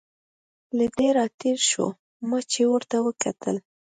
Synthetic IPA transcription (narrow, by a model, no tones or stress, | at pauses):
lad̪eɾɑt̪eɾʃo̰ | mat͡ʃewəɾt̪awəkʰat̪ʰə̰l